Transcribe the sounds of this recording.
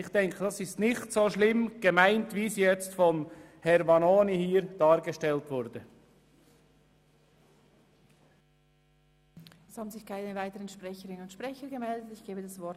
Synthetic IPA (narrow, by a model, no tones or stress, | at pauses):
ɪxd̥ɛŋkʰəd̥ɑsɪstnɪçtsoːʃlɪmɡ̥əmaɪntvisijjɛt͡stfɔm | hɛɾvɑnoːnihiːɾd̥ɑːɾɡəʃtɛltvʊɾd̥ə | ɛshaːbn̩zɪçkʰaɪnəvaɪtəʁənʃpʁ̥ɛçəʁɪnənʊntʃpʁ̥ɛçəɡəmɛldətɪçɡ̥eːbədasvɔ